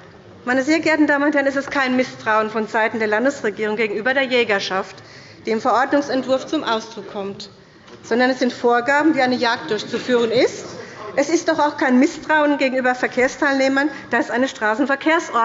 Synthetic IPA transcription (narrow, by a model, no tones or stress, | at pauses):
maɪnəzeːɐɡɛɐtn̩daːməʊnthɛɐnɛstɛstkʰaɪnmɪstʁ̥aʊənfɔnzaɪtn̩deːɐlandəsʁ̥eɡiːʁʊŋɡeːɡŋ̩yːbɐɾeːɐjɛːɡɐʃaft | d̥eːmfɛɐʔɔɐdnʊŋsɛntv̥ʊɐft͡sʊmʔaʊsd̥ʁʊkʰːɔmt | z̥ɔndɐnɛsz̥ɪntfoːɐɡaːbm̩viːʔaɪnəjaːk̚t̚d̥ʊɐçt͡sufyːʁ̞ənɪstʔɛsɪst̚d̥ɔχaʊxkʰaɪnmɪstʁ̥aʊənɡeːɡŋ̩ʔyːbɐfɛɐkʰeːɐstʰaɪlneːmɐnd̥aɪstʔaɪnəʃtʁ̥aːsn̩fɛɐkʰeːɐsʔɔɐ